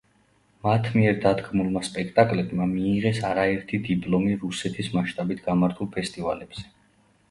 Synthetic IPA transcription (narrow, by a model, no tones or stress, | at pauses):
mat̪ʰmiɛɾd̪ad̪ɡmulˠmaspʼɛkʰt̪ʼakʼlɛbmamiːʁɛsaɾaɛɾt̪ʰid̪ipʼlɔmiɾusɛt̪ʰismaʃt̪ʼabit̪ʰɡamaɾt̪ʰulˠpʰɛst̪ʼivalɛb̥z̥ɛ̥